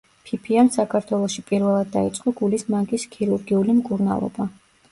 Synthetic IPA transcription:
pʰipʰiansakʰaɾt̪ʰwɛlˠɔʃipʼiɾvɛlˠad̪ːait̪sʼqʼɔɡulismaŋkʼiskʰiɾuɾɡiulimkʼuɾna̰lˠɔ̰ba

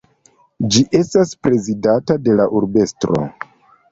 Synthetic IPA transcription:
d͡ʒiʔe̞staspɾe̞zidatade̞laʔuɾbe̞stɾo̞̰

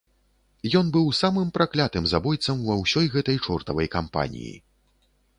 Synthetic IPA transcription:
jɔnbɨwsamɨmpɾaklʲat̪ɨmzabɔjt̪sɐmvɐwsʲɔjɣɛt̪ɐjt͡ʂɔrt̪ɐvɐjkampa̰nʲḭjḭ

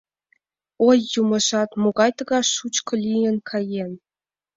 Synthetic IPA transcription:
ojːumɤ̆ʃɑt̪moɡɑjt̪ɤ̆ɡɑʃut͡ɕkɤ̆lʲijə̆nkʰɑjen

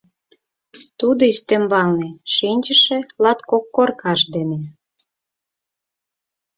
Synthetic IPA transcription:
t̪ud̪oist̪emβɑlneʃinʲt͡ɕəʃĕlɑt̪kokːorkɑʃd̪ene

